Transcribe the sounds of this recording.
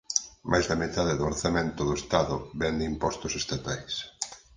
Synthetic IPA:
majzðamet̪aðɪðʊoɾθamẽnt̪ʊðʊest̪aðʊβɛnd̪ɪimpɔst̪ʊsest̪at̪ajs

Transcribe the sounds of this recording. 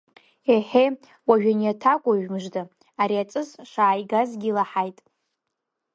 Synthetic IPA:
eħe | waʒᶣanjatʰakʷʼaʒᶣmɨʐdɨ | aɾiat͡sʼɨzʂaːjɡazɡʲilaħajtʼ

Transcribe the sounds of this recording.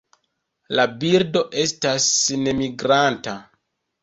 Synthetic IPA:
labiɾdo̞ʔe̞stasne̞miɡɾanta

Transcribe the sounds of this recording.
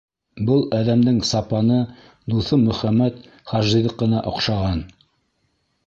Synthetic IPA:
bɤlˠæðæmd̪ɘŋsɑpɑnɤ | d̪uθɤmɵ̆χæmːæt̪ | χɑʒiðɤq̚ːɤ̆nɑʔŏqʃɑʁɑn

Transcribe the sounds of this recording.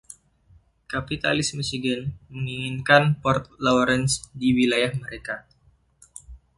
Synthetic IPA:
kapit̪a̰lɪsmusiɡənməŋiŋinkanpɔrt̪̚lawɾɛnsdiwilajahməɾeka

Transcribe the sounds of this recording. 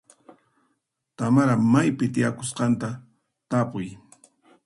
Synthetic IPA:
t̪amaɾamajpɪt̪ɪjakosqɑnt̪a | t̪apʊj

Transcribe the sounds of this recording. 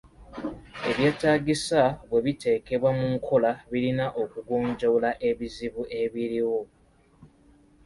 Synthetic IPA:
e̞βje̞ːtaːɡisaβwe̞βite̞ːke̞βwamuŋkʰo̞laβilinaʔo̞kuɡoːɲɟo̞laʔe̞βiziβuʔe̞βiɾiwo

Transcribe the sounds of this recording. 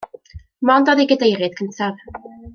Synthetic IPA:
mɔndɔðiɡədejɾɨd̥̚kʰəntʰav̥

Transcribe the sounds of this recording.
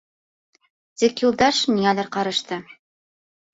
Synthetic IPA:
t̪ikjulˠd̪ɑʃniŋælæɾqɑɾɤ̆ʃt̪ɤ

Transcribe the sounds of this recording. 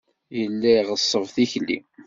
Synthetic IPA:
jəlːæʁəsˤːəvθiçlːḭ

